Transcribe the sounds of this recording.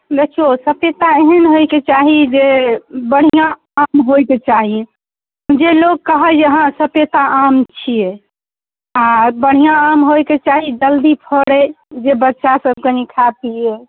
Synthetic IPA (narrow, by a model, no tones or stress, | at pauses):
b̪ekʰiosəpet̪aeɦənɦoket͡ʃaɦid͡ʒebəɽ̤ijã | amɦojket͡ʃaɦi | mũd͡ʒelokkəɦəd͡ʒeɦãsəpjet̪aʔamt͡ʃʰije | abəɽ̤ijãːmɦojket͡ʃaɦid͡ʒəld̪ipʰɔɽed͡ʒebətːʃasəb̚kenikʰapie